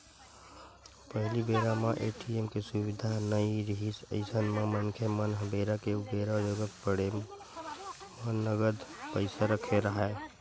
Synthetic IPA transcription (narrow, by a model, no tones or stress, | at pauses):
pəɦlibeːɾamaʔeːʈiemkesuwɪd̪ʱanəiɾəɦisə̰ɪsənmemənkʰemənɦbeːɾakeubeːɾad͡ʒoːɡət̪pəɽe | mənːəɡəd̪pəɪsaɾəkʰeɾəɦɛ